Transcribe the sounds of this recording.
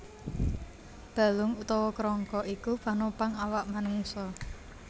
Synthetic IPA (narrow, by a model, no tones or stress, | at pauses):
b̥a̤lʊŋut̪ɔwɔkɾɔŋkɔʔikupanopaŋawaʔmanuŋsɔ